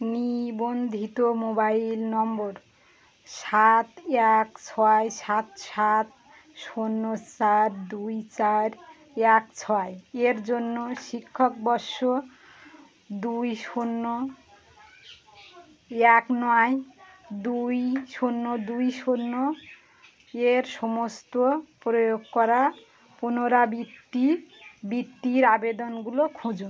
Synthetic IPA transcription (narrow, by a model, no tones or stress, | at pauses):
nibond̪ʱit̪omobailnɔmbɔɾ | sat̪akt͡sʰɔjsat̪sat̪̚ | sonːot͡saɾd̪ujt͡saɾ | akt͡sʰɔjeɾd͡zonːosikʰːɔk̚bɔso | d̪ujsonːo | jaknɔwajd̪ujsonːod̪ujsonːo | eɾsomost̪oprɔjoɡkʌɾa | punoɾabit̪ːibit̪ːiɾabed̪ʌnɡulokʰũd͡zun